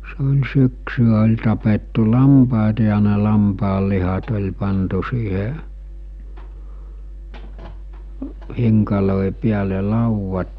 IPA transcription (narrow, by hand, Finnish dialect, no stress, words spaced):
se olʲ syksyæ olʲ tɑpetːu lɑmpɑˑetɑ jɑ ne lɑmpɑːlːihɑt olʲ pɑntu siːhe hiŋkɑloˑi piæle lɑuʋːɑt